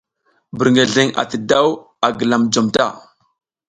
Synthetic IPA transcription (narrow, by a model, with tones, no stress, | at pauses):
bə˨ɾŋe˨ɮe˦ŋa̰˨tə˨da˦w | a˨ɡə˨la˨md͡ʒo˨mta˦˨